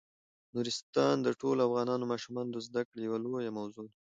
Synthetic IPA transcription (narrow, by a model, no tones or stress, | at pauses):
nuɾɪst̪ɑnd̪əʈolafɣɑnɑnomɑʃumɑnod̪əzd̪akɽjawalojamawzo